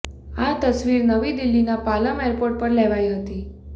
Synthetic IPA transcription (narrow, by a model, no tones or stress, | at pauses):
at̪əsʋiɾnəʋid̪ilːinapaləmeɾpoɾʈ̚pəɾlɛʋajɦət̪i